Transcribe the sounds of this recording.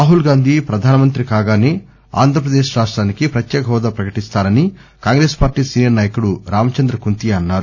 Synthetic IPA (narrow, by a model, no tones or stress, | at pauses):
aːɦulɡaːnd̪ʱipɾɐd̪ʱaːnɐmɐnt̪ɾikaːɡaːneː | a̰ːnd̪ʱɾɐp̬ɾɐd̪eːʃɾaːʂʈɾaːnikipɾɐt̪jɛːkɐɦɔːd̪apɾɐkɐʈist̪aːɾɐni | kaːŋɡɾeːspaːɾʈiːsiːnjɐɾnaːjɐkuɽuɾaːmɐt͡ʃɐnd̪ɾɐkunt̪iɐnːaːɾu